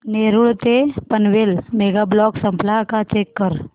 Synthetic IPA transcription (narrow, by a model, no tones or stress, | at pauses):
neːɾuɭt̪epənʋelmeɡablɔksəmplakat͡ʃeːkːəɾ